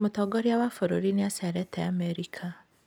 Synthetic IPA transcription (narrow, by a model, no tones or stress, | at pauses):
motɔɡɔɾiawafoɾoɾineasaɾɛtɛa̰mɛɾikʰa